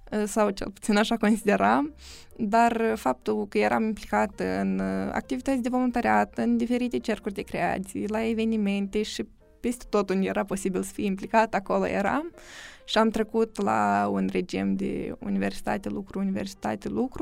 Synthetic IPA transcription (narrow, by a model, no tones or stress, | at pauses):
sawt͡ʃe̞̰lpu̥t̪sinaʃako̞nsid̪e̞ɾam | d̪arfap̚t̪ulkəjeɾa̰mimplikat̪ɨ̰na̰k̚t̪ivit̪ət̪sʲd̪evo̞lunt̪aɾeat̪əɨnd̪ife̞ɾit̪e̞t͡ʃe̞rkurʲd̪e̞kɾe̞a̰t̪sḭjlae̞ve̞nime̞nt̪e̞ʃi | pe̞st̪et̪o̞t̪und̪jeɾapo̞sibilsə̥fijimplikat̪ako̞lo̰jḛɾa̰mʃiamt̪ɾe̞kut̪la̰unre̞d͡ʒimd̪ḛṵnive̞rsi̥t̪a̰t̪elukɾuːniversi̥t̪a̰t̪elukɾu